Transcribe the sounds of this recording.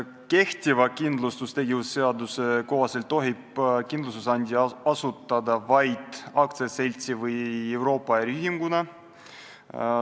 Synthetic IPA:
ke̞ht̪ʲivɑkind̪lust̪ust̪e̞ɡʲivusse̞ɑd̪useko̞ɦɑse̞lt̪ːˑo̞ɦib̥kind̪lust̪usɑnd̪ʲiɑsut̪ːˑɑd̪ɑvɑjd̪̥ɑkt̪sese̞lʲt̪sivɯje̞wɾo̞ːpːˑɑæɾiyɦiŋɡunɑ

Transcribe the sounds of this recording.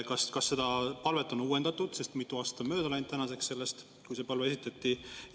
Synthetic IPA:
kɑskɑsːe̞d̪̥ɑpɑlve̞t̪ːˑo̞nuːend̪̥ɑt̪ːˑud̪̥se̞st̪mit̪ːˑuɑːst̪ɑmø̞ːd̪ɑlɑjnt̪ænɑse̞ksse̞lːest̪ | kujse̞pɑlveesit̪ːˑɑt̪ːi

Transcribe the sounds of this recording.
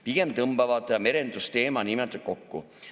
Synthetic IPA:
piɡ̥e̞mt̪ɤmbɑvɑd̪ˑme̞ɾe̞nd̪ust̪e̞ːmɑnimɛt̪ːˑɑt̪̚ko̞kːṵ

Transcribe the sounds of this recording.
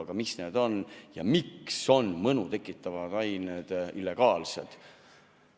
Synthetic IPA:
ɡ̥ɑmisne̞ːd̪o̞njɑ̰mikso̞nmɤnut̪e̞kːˑit̪ːˑɑvɑd̪ɑjneːd̪̥ilːe̞ɡ̥ɑːlse̞̰d̪̥

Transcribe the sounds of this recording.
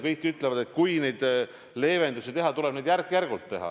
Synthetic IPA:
kɤjkːyt̪ːˑlevɑd̪et̪kujnejd̪ | le̞ːve̞nd̪usit̪e̞ɦɑt̪ule̞b̥ned̪jærkːˑjærɡ̥ult̪ːe̞ɦɑ̰

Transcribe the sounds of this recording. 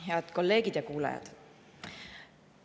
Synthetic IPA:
ɦeɑd̪̥ko̞lːe̞ːɡ̥id̪̥jɑkuːlɑ̰jɑ̰d̪̥

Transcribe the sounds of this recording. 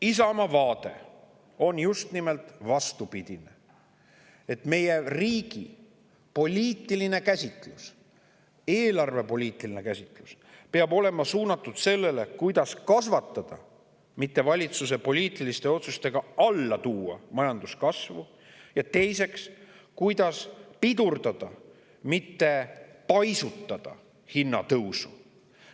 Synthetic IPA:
is̬ɑmɑvɑːt̪e̞̰ | o̞njust̪nimelt̪vɑst̪upid̪̥ine | e̞t̪me̞jeriːɡ̥i | po̞lʲiːt̪ːˑiline̞kæsʲit̪ˑlus | e̞ːlɑrve̞po̞lʲiːt̪ːˑiline̞kæsʲit̪ˑlus | peɑbo̞le̞mɑsuːnɑt̪ːˑud̪̥se̞lːe̞le̞kujd̪ɑskɑsvɑt̪ːˑɑd̪̥ɑ̰ | mit̪ːe̞vɑlʲit̪sus̬e̞po̞lʲiːt̪ˑilist̪e̞o̞t̪sust̪e̞ɡ̥ɑɑlːɑt̪uːɑ̰mɑjɑnd̪̥uskɑsvu | jɑt̪e̞jse̞ks | kujd̪̥ɑspid̪̥urd̪ɑd̪̥ɑ | mit̪ːe̞pɑjsut̪ˑːɑd̪̥ɑ̰ | hinːɑt̪ɤwsu

